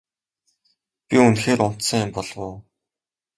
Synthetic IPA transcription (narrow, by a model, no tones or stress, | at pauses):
pʲiunxeːɾʊn̥t̪sə̆ŋjɪmpɔɮwʊː